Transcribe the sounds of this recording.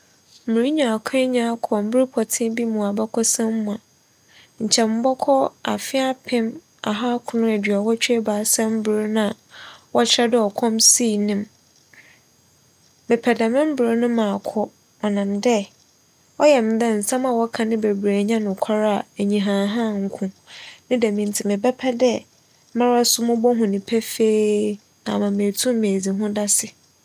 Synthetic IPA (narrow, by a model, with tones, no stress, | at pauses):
m̩˨mũ˨ɾi˦ɲã˨kʰɲã˦kʰɔ˨m̩˦bɪ˦ɾi˦pʰɔ˨tʰɪ̃˦bi˦mũ˨a˨bɔ˦kʰɔ˦sã˦m˦mũ˨a˨ | ɲ̩˨t͡ɕʰɛ˨m̩˦bɔ˦kʰɔ˦a̰˨fɪ˦a˦pʰɪ̃˦m | a̰˨ɦa˦kʰʊ̃˨˦nʊ̃˦æ˨dɥa˨wɔ˦t͡ɕᶣʰe˦baː˨˦sɛ̃˦m̩˦bʊ˨ɾnã˦˨wɔ˦t͡ɕʰɛ˦dɪ˦ɔ˨kʷʰɔ̃˦msiː˦˨nɪ̃˨m | mɪ˨pʰɛ˨dã˨mɪ̃˦m̩˦bʊ˨ɾo˦nʊ̃˦mã˨kʰɔ˦ | ɔ˨nã˨mdɛ˦ | ɔ˦jɛ˨m˨dɛ̃˦n̩˨sã˦ma˨wɔ˦kʰã˨nɪ̃˦be˨bɾe˨ɲã˦nʊ̃˨kʰa˦ɾa˦a˨e˨ɲĩ˨ɦã˨ɦã˦˨ŋ̩˨˦kʰʊ̃˨nɪ̃˦dæ˨mĩ˨n˨tʰɪ˨mɪ̃˨bɛ˦pʰɛ˦dɛ˦ | mã˦ɾa˦sʊ˦mʊ̃˦bɔ˦ɦʊ̃˨nĩ˨pʰɛ˦feː˦ | nã˨mã˨mẽ˨tʰũ˦mː˦e˨d͡zi˨ɦʊ̃˦da˦sɪ˨